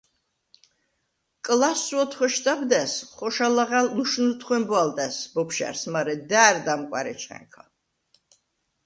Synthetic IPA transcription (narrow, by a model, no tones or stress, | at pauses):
kʼlasuɔt̪ʰχwɛʃt̪ʼabd̪ɛsχɔʃalaʁalnuʃnut̪ʰχwɛmbwald̪ʼɛsbɔpʰʃa̰ɾsmaɾɛd̪aːɾd̪amkʼwa̰ɾɛt͡ʃʰɛ̰ŋkʰɔ